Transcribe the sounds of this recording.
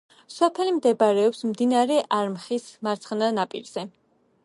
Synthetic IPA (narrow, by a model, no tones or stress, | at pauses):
sɔpʰɛlimd̪ɛbaɾɛɔpsmd̪inaɾɛʔaɾmχismaɾt̪sʰχnanapʼḭɾz̥ɛ